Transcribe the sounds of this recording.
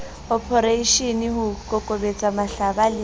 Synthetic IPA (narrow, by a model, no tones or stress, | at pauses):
ɔpʰɔɾeiʃiniɦʊkʼɔkʼobet͡sʼamaɬabalɪ